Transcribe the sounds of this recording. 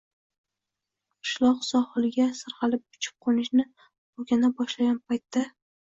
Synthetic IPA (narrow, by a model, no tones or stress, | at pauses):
qʰɨ̥ʃlˠɒqsɒhɨlˠɪɡʲasɨɾqɑlɪp̚bʊt͡ʃʰɪ̥p̚qʰonɪʃnɪ | ʊɡʲanabɒʃlaɡʲanpʰajt̪ːa